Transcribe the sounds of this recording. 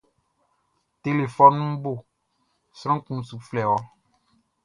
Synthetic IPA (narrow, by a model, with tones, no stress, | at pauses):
te˨le˨fɔ˦nũ˦bo˦˨ | sɾɔ̃˦kũ˨su˨flɛ˨wɔ˦